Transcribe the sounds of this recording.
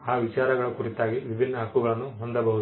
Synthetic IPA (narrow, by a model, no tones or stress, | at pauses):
aːʋit͡ʃaːɾɐɡɐɭukuɾit̪ːaːɡiʋibʱinːɐɦɐkːuɡɐɭɐnːuɦond̪ɐbɐɦud̪